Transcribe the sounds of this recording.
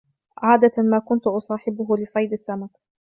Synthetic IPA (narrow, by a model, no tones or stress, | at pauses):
ʕaːd̪amaːkʊnt̪ʊʔɑsˤɑːħɪbʊɦʊlɪsˤɑjd̪asːamak